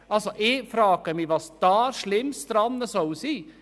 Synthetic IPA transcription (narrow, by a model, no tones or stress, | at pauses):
ɑlsɔʔefɾɑːkəmiʋɑsd̪ɑːɾʂlɪmːst̪ɾɑnːəsɔsiː